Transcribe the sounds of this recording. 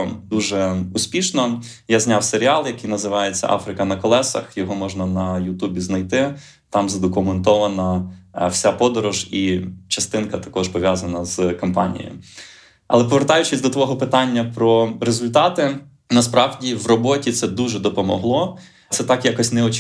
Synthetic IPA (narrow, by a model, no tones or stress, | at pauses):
d̪uʒɛusʲpʲiʃnɔ | jazʲnʲawseɾʲiɑlˠjɐkijnɐzɪʋɑjet͡sʲːɐ̰ʔɑ̰fɾɪkɐnɐkɔlˠɛsɐ̰xjɔɦɔmɔʒnɐnɐjʊt̪ubʲiznɐjt̪ɪ | t̪ɑmzɐd̪ɔkʊment̪ɔʋɐnɐwsʲapɔd̪ɔɾʊʒit͡ʃɐst̪ɪnkɐt̪ɐ̥kɔʃpɔʋʲjazɐnɐzkɔmpɑnʲḭjj̰jʊ̰ | ɐ̰lˠɛpɔʋeɾt̪ɑjʊt͡ʃɪsʲd̪ɔt̪ʋɔɦɔpɪt̪ɑnʲːɐpɾɔɾezʊlʲt̪ɑt̪ɪ | nɐspɾɑwdʲiwrɔbɔtʲit̪sɛd̪uʒɛd̪ɔpɔmɔɦlˠɔ | tsɛt̪ɑkjakɔsʲnɛɔt͡ʃ